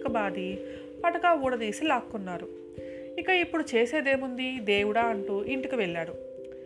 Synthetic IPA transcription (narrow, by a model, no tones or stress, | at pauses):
kɐbaːd̪i | pɐʈɐkaːuːɽɐd̪iːsilaːkːunːaːɾu | ikɐipːuɽut͡ʃeːse̞ːd̪e̞ːmund̪id̪eːwuɽaːɐɳʈuːʔiɳʈikiʋeɭːaːɽu